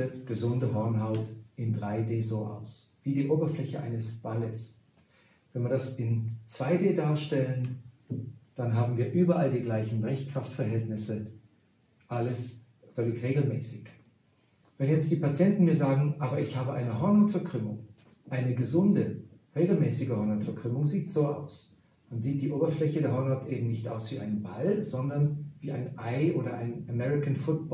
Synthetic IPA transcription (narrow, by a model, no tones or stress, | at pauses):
əɡ̥əzʊndəɦɔɐnɦaʊtɪndʁaɪdeːzoːʔa̰ʊsv̥iːdiːʔoːbɐflɛçəʔa̰ɪnəsb̥aləs | vɛnviːɐdasɪnt͡sv̥aɪdeːdaːɐʃtɛlən | d̥anɦaːbm̩viːɐʔyːbɐʔaldiːɡlaɪçn̩bʁɛɪçkʁ̥aftfɛɐɦɛltnɪsə | ʔaləs | fœlɪçʁeːɡl̩mɛːsɪç | vɛnjɛt͡st̚d̥iːpat͡sjɛntn̩miːɐzaːɡŋ̩ʔaːbɐɪçhaːbəʔaɪnəɦɔɐnʊtfɛɐkʁ̥ʏmʊŋ | ʔaɪnəɡəzʊndəʁeːɡl̩mɛːsɪɡəhɔɐnʊtfɛɐkʁ̥ʏmʊŋziːtz̥oːʔa̰ʊs | d̥anziːt̚d̥iːʔoːbɐflɛçədeːɐɦɔɐnʊtʔeːbm̩nɪçtʔa̰ʊsv̥iːʔa̰ɪnənbalz̥ɔndɐnviːaɪnʔaɪʔoːɾɐʔa̰ɪnəmɛʁɪkanfʊt̚b̥ɔ